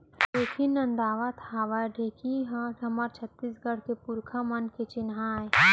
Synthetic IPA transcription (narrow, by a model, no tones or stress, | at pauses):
d̪oːkʰinːɐ̃nd̪aːʋat̪ʰaːʋaɖʱeːkʰiɦãʈʰɐməɾt͡ʃʰət̪ːisɡɐɽ̤kepʊɾkʰamɐnket͡ʃɪnaːje